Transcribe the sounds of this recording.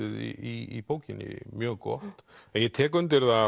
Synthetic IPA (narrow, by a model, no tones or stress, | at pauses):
ɪðḭiipoːwcɪnːɪ̰mjœːɣkɔ̰ht̪ɛnjɛt̪ʰɛːkʏnt̪ɪɾða